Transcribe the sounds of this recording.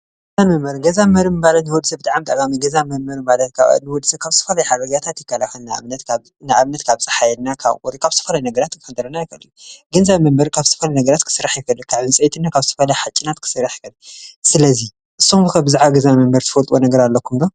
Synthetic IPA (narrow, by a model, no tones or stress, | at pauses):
ɡɐzamɐmbɐɾɡɐzamɐɾimɨbalɐt̪nwɔd̪sɐbɨt̪ʼaʕamt̪ʼaʔkʼamiɡɐzamɐɾmɐɾmɨbalɐt̪kʰaβa̰nɨwɔd̪ɨsɐkʰaβst̪ʰɐ̥fɐlɐjħaɾɐɡat̪ʰat̪jɪkːalafɐlnanɐt̪ | naʔaβnɐt̪kʰaβt͡sʼɐħajɛlnakʰa̰βkʼɔɾikʰaβst̪ɨ̥ɐfɐlɐjnɐɡɐɾat̪kʰɨfɐd̪ɐɾɐnajɪkʰɐlːɨnɡɐnzaβmɐmbɐɾkʰaβst̪ɐ̥fɐlɐjnɐɡɐɾat̪kʰɨ̥sɨɾːaħjɪfɐlːɨkʰaβɨnsʼɐjt̪ʰɨnːakʰaβsɨt̪ʰɐfɐlɐjħat͡ʃʼːinat̪kʰɨ̥sɨɾaħjkɐlsɨlɐzi | ʔɨsːoɨkʰabɨzaʕβaɡɐzamɐmbɐɾt̪ɨfɐlt̪ʼwonɐɡɐɾalːɐkumd̪o